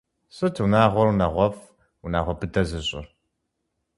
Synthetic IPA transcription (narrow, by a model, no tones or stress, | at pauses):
ɕʼɨtʰunaːʁʷɔɾunɐʁʷɔf | unaːʁʷɔbʰɨdɐzɨɕʼɪ̰r